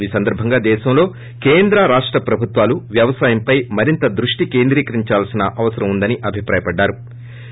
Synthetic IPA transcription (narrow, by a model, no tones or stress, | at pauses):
niːsɐnd̪ɐɾbʱɐŋɡaːd̪ɛːʃɐmlo̞ː | keːnd̪ɾɐɾaːʂʈɾɐpɾɐbʱut̪ʋaːluʋjɐʋɐsaːjɐmpɐjmɐɾint̪ɐd̪ɾuʂʈike̞ːnd̪ɾiːkɐɾiɲt͡ʃaːlsinɐʔɐʋɐsɐɾɐmund̪ɐniʔɐbʱipɾaːjɐpɐɖːaːɾu